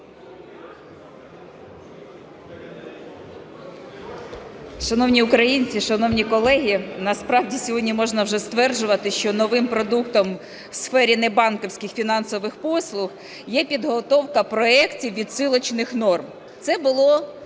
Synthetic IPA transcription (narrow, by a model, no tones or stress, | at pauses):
ʃɐnɔwnʲiʊkɾɐjinʲt͡sʲiʃɐnɔwnʲikɔlˠɛɦʲinɐspɾɑwdʲisʲɔɦɔdʲnʲimɔʒnɐwʒɛst̪ʋɛrʒʊʋɐt̪ɪʃt͡ʃɔnɔʋɪmpɾɔd̪ukt̪ɔm | wsfɛɾʲinɛbɑnkɔwsʲkɪxfʲinɑnsɔʋɪxpɔslˠʊx | jɛpʲid̪ɦɔt̪ɔwkɐpɾɔɛktʲiwʋʲid̪sɪlˠɔt͡ʃnɪxnɔrm | t̪sɛbʊlˠɔ